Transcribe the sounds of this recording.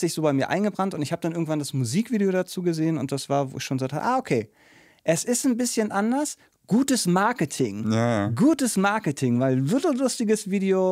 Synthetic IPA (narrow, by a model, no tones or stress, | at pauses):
z̥ɪçz̥oːbaɪmiːɐʔa̰ɪnɡəbʁantʊntɪçhaːbəd̥anʔɪɐɡŋ̩tv̥andasmuziːkv̥iːdeoɾat͡suːɡəzeːənʊnt̚d̥asv̥aːɐvo̰ːɪçʃoːnɡəzaktʰaə̰ʔaːokʰeː | ʔɛsɪstn̩bɪsçənʔandɐs | ɡ̥uːtəsmaɐkətʰɪŋjaɡuːtəsmaɐkətʰɪŋvaɪlvɪtl̩lʊstɪɡəsv̥iːdeo